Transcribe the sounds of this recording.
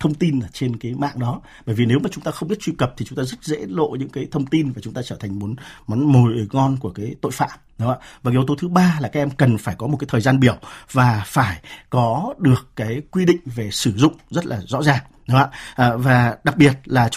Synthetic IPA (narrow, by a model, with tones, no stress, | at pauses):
t̪ʰə˧wŋ͡mt̪i˧na˨˩t͡ɕe˧nkaː˨˦jma̰ː˧˨ŋɗɔ˨˦ | ɓəː˧˨jvi˨˩ne˨˦wmaː˨˩t͡ɕʊ˨˦ŋ͡mt̪aː˧xə˧wŋ͡mɓi˦˥ət̚t͡ɕwi˧kə˨˩p̚t̪ʰi˨˩t͡ɕʊ˨˦ŋ͡mt̪ːzə˦˥t̚zḛ˧˥lo̰˧˨ɲɨ̰˧˥ŋkaː˨˦jt̪ʰə˧wŋ͡mt̪i˧nvaː˨˩t͡ɕʊ˨˦ŋ͡mt̪aː˧t͡ɕəː˧˩t̪ʰa˨˩ŋ̟mo˨˦nmɔ˨˦nmo˨˩jŋɔ˧nku˧˩əkaː˨˦jt̪o̰˧˨jfa̰ː˧˨m | ə˨˦a̰˧˩vaː˨˩kːwt̪o˨˦t̪ʰɨ˨˦ɓaː˧laː˨˩kaː˦k̚ʔɛ˧mkə˨˩nfaː˧˩jkɔ˨˦m̚˨˩kaː˨˦jt̪ʰːzaː˧nɓi˧˩əwvaː˨˩faː˧˩jkɔ˨˦ɗɨ˨˩əkːaː˨˦jkwi˧ɗḭ̈˧˨ŋ̟ve˨˩sɨ˧˩zʊ̰˧˨ŋ͡mzə˦˥t̚laː˨˩zɔ̰˧˥zaː˨˩ŋ | ɗa̰˧˥ʔːvaː˨˩ɗa˨˩k̚ɓi˨˩ət̚laː˨˩